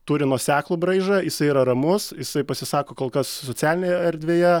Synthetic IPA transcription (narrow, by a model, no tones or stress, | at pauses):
t̪uːɾʲɪnuɔsʲæːklˠuːbɾɐɪʒɐjɪsɐɪiɾɐɾɐmʊsjɪsɐɪpɐsʲɪsɑːkoːkoːlˠkɐssot͡s̪ʲæːlʲɪnʲeːjɛɐɾʲd̪ʲʋʲeːjɛ